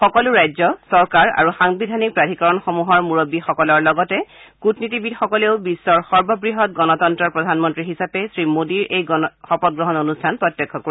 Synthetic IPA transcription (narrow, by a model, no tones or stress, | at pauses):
xɔkɔlʊɹajzɔsɔɹkaɹa̰ɹuxaŋbidʱanik̚pɹadʱikɔɹɔnxɔmuɦɔɹmuɹobixɔkɔlɔɹlɔɡɔtɛkutnitibidxɔkɔleʊbisːɔɹxɔɹbɔbɹiɦɔt̚ɡɔnɔtɔntɹɔɹpɹɔdʱanmɔntɹiɦisapɛsɹimodiɹʔejɡɔxɔpɔt̚ɡɹɔɦɔnonustʰanpɹɔtjɔkʰːɔkoɹi